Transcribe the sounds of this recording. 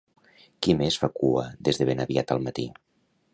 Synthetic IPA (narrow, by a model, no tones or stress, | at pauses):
kimesfakuə̰ðezðəβenəβiat̪ə̰lˠmət̪ḭ